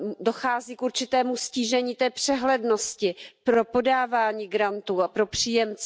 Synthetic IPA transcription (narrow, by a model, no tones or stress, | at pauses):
do̞xaːziːkuɾt͡ʃɪt̪ɛːmusciːʒɛɲiːt̪ɛːpr̝̥ɛɦlɛdnoscɪpɾo̞po̞daːvaːɲiːɡɾant̪uːapɾo̞pr̝̥iːjɛmt͡sɛ